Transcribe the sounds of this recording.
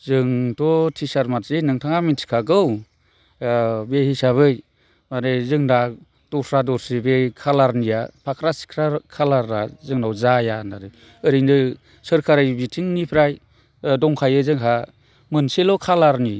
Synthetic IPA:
zɯŋtɔtʰisaɾmatzenɯŋtʰaŋamintʰi̥kʰaɡɯw | behisaβɯj | maɾezɯŋda | dɔsʰɾadɔɾsibekʰalaɾnijapʰakʰɾasi̥kʰɾakʰalaɾːazɯŋnawzajanaɾɯ | ɯɾinɯ | sɯɾkʰaɾɯjbitʰiŋnipʰɾaj | dɔŋkʰajɯzɯŋkʰa | mɯnselɔkʰalaɾni

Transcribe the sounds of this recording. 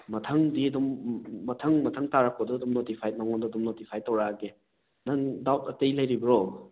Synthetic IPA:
mɐtʰɐŋdiɐdumːɐtʰɐŋmɐtʰɐŋtaɾak̚ɔdɔːdumnotipʰajnaŋɔndɔdumnotipʰajtɐwɾaɡe | naŋdawtɐtɐjlɐjɾibɐɾo

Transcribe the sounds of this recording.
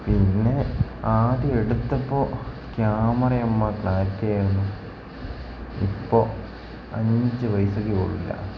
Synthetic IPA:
pinːe̞aːðieɽut̪ːɐpːoː | kjaːmɐrɐjɐmːɐkɭaːtːeːjunːu | ḭpːoː | ɐ̰ɲmit͡ɕːɨʋɐjsokːeko̰ɭːḭlːɐ̰

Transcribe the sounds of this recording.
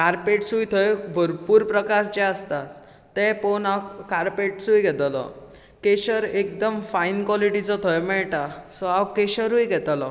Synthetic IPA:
kaɾpeʈsujt̪ʰɔjbʱəɾpuːɾpɾəkaɾt͡ɕɛəst̪a | t̪ːɛponakaɾpeʈsujɡʱɛt̪lɔ̰ | keɕəɾekd̪əmfainkwɔliʈit͡sɔt̪ʰɔjmɛɭʈasɔawkeɕəɾujɡʱɛt̪lɔ

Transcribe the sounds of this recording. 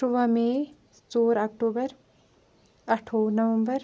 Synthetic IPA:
uʋɐmẽ | t͡soːɾɐk̚ʈoːbəɾ | ɐʈʰoːnɐʋɐmbəɾ

